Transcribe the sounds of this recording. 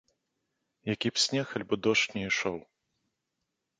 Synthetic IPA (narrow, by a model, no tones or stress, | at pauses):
jakʲipsʲnʲɛxɐlʲbɨd̪ɔʂtnʲɛiʂɔw